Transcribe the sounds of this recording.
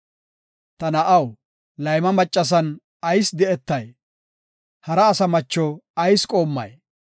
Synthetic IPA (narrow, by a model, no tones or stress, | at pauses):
t̪ɐnɐʔɐw | lɐjmɐmɐt͡ʃʼːɐs̬ɐn | ɐjsd̪ɛɛt̪ːɐj | hɐɾɐːsɐmɐt͡ʃːɔɐjskʼoːmːɐ̰j